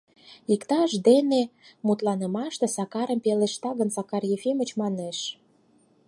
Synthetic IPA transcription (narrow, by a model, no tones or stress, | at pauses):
ikt̪ɑʃd̪enemut̪lɑnə̆mɑʃt̪ĕsɑkɑɾə̆mpeleʃt̪ɑɣənsɑkɑrjefemə̆t͡ɕmɑneʃ